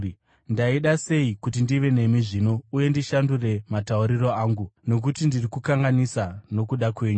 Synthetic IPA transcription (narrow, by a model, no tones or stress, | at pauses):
ndaiɗase̞ikutindiʋe̞ne̞miʐino̞uje̞ndiʃandure̞matauɾiro̞aːŋɡuno̞k̬utindirikukaŋɡanisano̞kuɗakwe̞ːɲu